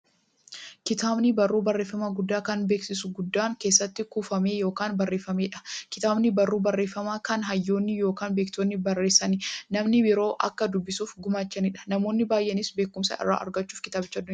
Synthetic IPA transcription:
kɪt̪aːbnɪbɐrːuːbɐrːe̞ːfːɐmaɡʊd̪ːaːkɐnbe̞ːksɪsʊɡʊd̪ːaːŋke̞ːsːɐt̪ːɪkuːfɐme̞ːjo̞ːkaːnbɐrːe̞ːfːɐmeːᶑɐ̥kɪ̥t̪aːbnɪbɐrːuːbɐrːe̞ːfːɐmaːkɐnɦɐjːo̞ːnːɪjo̞ːkaːnbe̞ːkt̪oːnːɪbɐrːe̞ːsɐnɪnɐmnɪbɪɾo̞ːʔɐ̰kːɐd̪ʊbːɪsuːfɡʊmaːt͡ʃːɐnɪᶑɐ̥nɐmo̞ːnːɪbaːjʔɛnɪsbe̞ːkːʊmsɐ̰ʔɪ̰rːa̰ːʔɐ̰ɾɡɐt͡ʃːuːfkɪt̪aːbɪt͡ʃːʊɐd̪ːʊɲː

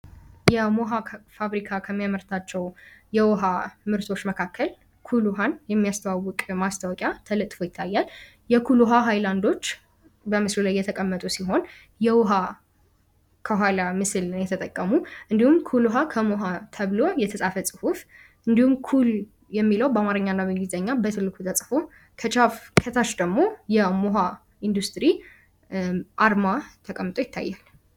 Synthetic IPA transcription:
jɛmoɦafaβɾikʰakʰəmːijaməɾt̪ʰat͡ʃːɛwjɛwɦamɨɾt̪ʰo̞t͡ʃːməkʰakʰːəl | kʰuluɦanjɛmːijast̪ʰəwawːʊkʼmast̪ʰawɔkʼjat̪ʰələt̪ʼfo̞jɪt̪ʰːajːal | jɛkʰuluɦaɦajland̪o̞t͡ʃː | bəmɨslulajːɛt̪ʰəkʼəmːət̪ʼusiɦo̞n | jɛwɦa | kʰəɦʷwalamɨsɨlnjɛt̪ʰət̪ʼəkʼːəmuʔɨnd̪ihumkʰuluɦakʰəmoɦat̪ʰəβlojɛt̪ʰəsʼafəsʼɨhuf | ʔɨnd̪ihumkʰul | jɛmːiləwbamaɾɨɲːanːaβɨɡizəɲːabət̪ʰɨlːɨkʰut̪ʰəsʼfo | kʰət͡ʃʼafkʰət̪ʰaʃd̪əɡmo̞jɛmoɦa | ʔind̪ust̪ʼɨɾi | ʔaɾmat̪ʰəkʼəmːɨt̪ʼo̞jɪt̪ʰːa̰jːal

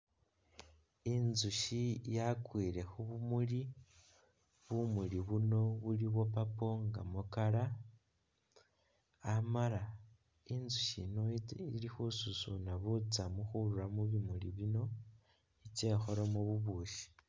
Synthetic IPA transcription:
inzuʃijakwiːɾe̞xuβumuli | βumuliβuno̞βuliβo̞papo̞ŋɡa̰mukaɾa | amaɾa | inzuʃḭnoiilixususunaβut͡samuxuɾuɾamuβimuliβino̞ | it͡ʃe̞xoɾomuβuβuːʃi̥

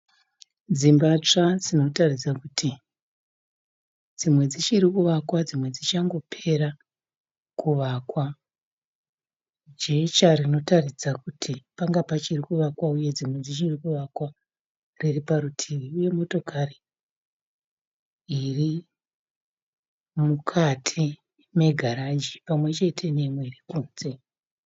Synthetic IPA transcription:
d͡zimbat͡ʂad͡zino̞tarid͡zakutʰi | d͡zimwe̞d͡zit͡ʃiɾikuʋakwad͡zimwe̞d͡zit͡ʃaŋɡo̞pʰe̞ɾa | kuʋakwa | d͡ʒet͡ʃarino̞tarid͡zakutʰipaŋɡapat͡ʃirikuʋakwauje̞d͡zimwe̞d͡zit͡ʃirikuʋakwa | riripaɾutʰiʋiuje̞mo̞to̞kari | ri | mukʰatʰi | me̞ɡʱaɾad͡ʒipamwe̞t͡ʃe̞tʰe̞ne̞mwe̞rikuːnze̞

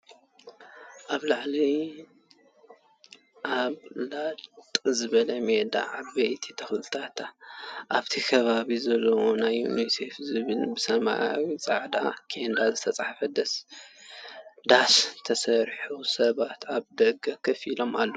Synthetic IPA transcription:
ʔaβlaʕli | ʔaβlatt̪ʼɨzɨβɐlɐmed̪a̰ʕabɐjt̪ʰit̪ʰɐxlɨt̪ʰat̪ʰaʔaβt̪ʰikʰɐβaβizɐlːɐwonajːṵnise̞fzɨβɨlbɨsɐma̰awit͡sʼaʕd̪a̰kʰend̪azɨt̪ʰɐt͡sʼaħfɐd̪ɐs | d̪ast̪ʰɐsɐɾħusɐβat̪ʰaβd̪ɐɡɐkʰɐfilo̞malːo

